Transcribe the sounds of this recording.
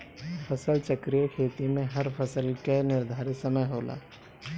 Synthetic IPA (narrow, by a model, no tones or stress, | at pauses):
pʰəsəlt͡ʃəkɾijekʰeːt̪imẽɦɐɾpʰɐsəlkenɪɾd̪ʱaːɾɪsɐməjɦoːla̰ː